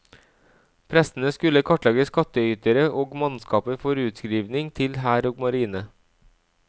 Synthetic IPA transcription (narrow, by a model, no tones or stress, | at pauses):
pʰɾɛsn̩əskʉləkʰɔʈlɑɡəskɑt̪əyːt̪əɾəʔoːɡmɑnskɑːpəfɔɾʉːt̪skɾiːʋnɪŋt̪ʰɪlhæːɾoːɡmɑɾiːnə